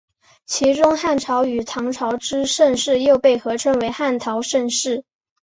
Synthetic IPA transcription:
t͡ɕʰi˧˥ʈ͡ʂʊ˥ŋxa˥˩nʈ͡ʂʰɑ˧˥ʊy˨˩t̪ʰɑ˧˥ŋʈ͡ʂʰɑ˧˥ʊʈ͡ʂɻ̩˥ʂə˥˧nʂɻ̩˥˧jo˥˧ʊpe˥˩ɪxɤ˧˥ʈ͡ʂʰə˥nwe˧˥ɪxa˥˩nt̪ʰɑ˧˥ʊʂə˥˧nʂɻ̩˥˩

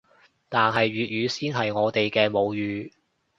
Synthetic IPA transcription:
t̪aː˨nɦɐ˨jɥyː˨t̚jyː˨˧siː˥nɦɐ˨jŋɔː˨˧t̪e˨jkɛː˧mo˨˧wjyː˨˧

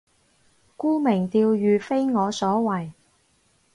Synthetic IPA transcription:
kuː˥mɪ˨˩ŋt̪iː˧wjyː˨fe˥jŋɔː˨˧sɔː˨˥wɐ˨˩j

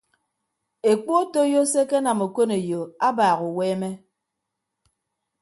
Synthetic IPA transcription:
e˨k͡po˦to˦jo˦se˦ke˦na˨mo˨ko˦ne˨jo˨a˦baː˨ɣu˨weː˦me˦

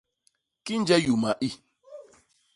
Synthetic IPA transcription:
ki˦n̩˦d͡ʒɛ˦ju˨ma˨ʔi˦

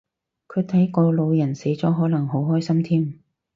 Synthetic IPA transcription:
kʰɵ˨˧ɥt̪ʰɐ˨˥jkɔː˧lo˨˧wjɐ˨˩nse˨˥jt͡sɔː˨˥ɦɔː˨˥lɐ˨˩ŋɦo˨˧˥wɦɔː˥jsɐ˥mt̪ʰiː˥m

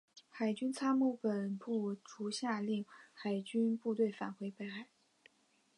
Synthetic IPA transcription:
xa˨˩ɪt͡ɕy˥nt͡sʰa˥mu˥˩pə˨˩npu˥˩ʈ͡ʂu˧˥ɕja˥˧li˥˩ŋxa˨˩ɪt͡ɕy˥npu˥˧t̪we˥˩ɪfa̰˨˩nxwe˧˥ɪpe˥˩ɪxa˨˩˦ɪ

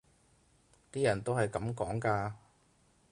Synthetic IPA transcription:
t̪iː˥jɐ˨˩nt̪o˥whɐ˨jkɐ˨˥mkɔː˨˥ŋkaː˧

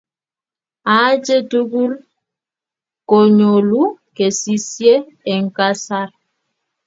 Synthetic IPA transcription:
a˨˦d͡ʒe˦tu˦ɡu˦l | ko˨ɲo˨lu˦ | ke˨si˦sje˦ | ɛ˨ŋ̩˨ka˦sa˦ɾ

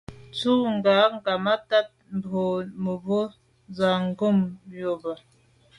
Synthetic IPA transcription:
tu˦ŋɡa˨˦ŋ˦ɡa˨ma˦ta˦˨t̚m̩˨bʰo˨mə˨bo˦ | za˨ŋ˦ɡo˦˨mjo˨ba˨

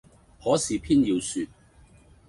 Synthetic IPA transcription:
hɔː˨˥siː˨pʰiː˥njiː˧wsyː˧t̚

